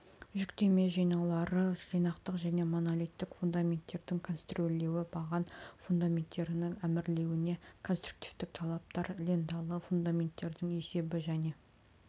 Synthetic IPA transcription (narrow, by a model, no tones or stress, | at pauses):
ʒʏkt̪e̞me̞ʒijnɑwlˠɑɾəʒijnɑqt̪əqʒæne̞mo̞nolʲijt̪ːɪkfund̪amʲe̞nt̪ːe̞ɾd̪ɪŋkʰo̞nst̪rolʲːe̞wɪbɑʁɑnfund̪amʲe̞nt̪ːe̞ɾɪnɪŋæmɪɾle̞wɪne̞kʰo̞nst̪ɾu̥k̚t̪i̥vt̪ɪk̚t̪ʰɑlˠɑp̚t̪ɑɾlend̪ɑlˠəfund̪amʲe̞nt̪ːe̞ɾd̪ɪŋe̞se̞bɪʒæne̞